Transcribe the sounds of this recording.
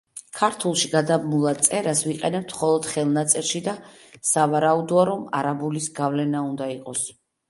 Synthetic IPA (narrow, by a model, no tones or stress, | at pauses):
kʰaɾt̪ʰulˠʃiɡad̪abmulˠat̪sʼɛɾasviqʼɛnɛb̚t̪ʰχɔlˠɔd̪̥χɛlˠnat̪sʼɛlˠʃid̪a | savaɾaud̪ɔaɾɔmaɾabulisɡavlɛnaund̪aiqʼɔs